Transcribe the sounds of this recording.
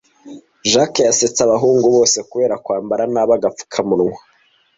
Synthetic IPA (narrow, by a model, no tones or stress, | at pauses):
ʒakjaset͡saβaɦuːŋɡuβo̞ːse̞kuβe̞ːɾakwaːmbaɾanaβaɡafu̥kʰamuɾŋwḁ